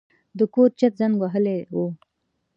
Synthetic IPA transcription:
d̪əkoɾt͡ʃat̪̚zaŋɡwaɦəlewo

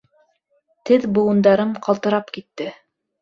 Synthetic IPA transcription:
t̪ɘðbŭwŭnd̪ɑɾɤɴqɑlˠt̪ɤ̆ɾɑpkit̪ːɘ

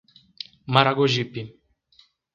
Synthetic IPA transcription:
maɾaɡoʒipi

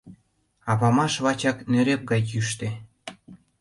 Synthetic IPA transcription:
ɑpɑmɑʃβɑt͡ɕɑknøɾep̚ɡɑjjyʃt̪e

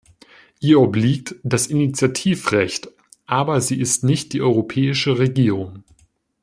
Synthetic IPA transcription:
ʔiːɐɔbliːk̚td̥asinit͡sjatʰiːfʁɛçt | ʔaːbɐziːʔɪstnɪçt̚d̥iːʔɔʏʁopʰɛːɪʃəʁeɡiːʁ̞ʊŋ

